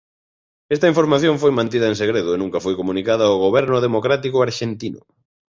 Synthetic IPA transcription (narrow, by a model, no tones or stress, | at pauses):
est̪ɐiɱfoɾmaθjoɱfojmãnt̪iðɐeŋseɣɾeðʊenũŋkɐfojkomunikaðɐoɣoβɛɾnʊðemokɾat̪ikʊaɾʃent̪inʊ̰